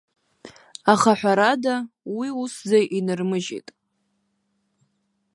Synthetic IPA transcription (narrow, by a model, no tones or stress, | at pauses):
aχaħʷᶣaɾadawiuszajʔinɨrmɨʒḛjtʼ